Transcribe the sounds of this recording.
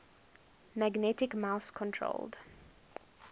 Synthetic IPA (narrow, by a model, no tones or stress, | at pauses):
mæɡnɛtɪkmaʊskʰɔ̃ntʰɹo̰ld